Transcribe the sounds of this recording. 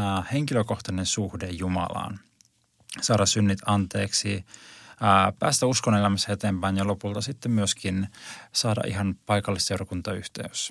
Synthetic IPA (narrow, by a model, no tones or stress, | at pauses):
he̞ŋkiløko̞ht̪ɑnensuhdejjumɑ̰lɑ̰ːn | sɑːɾɑssynːit̪ɑnt̪e̞ːksi | pæ̰ːst̪æuskonelæmæsæet̪eːmpæinjɑlopult̪ɑsit̪ːemmyøskinsɑːdɑ̰ʔḭɦɑnpɑjkɑlːise̞wɾɑkunt̪ɑyht̪ḛys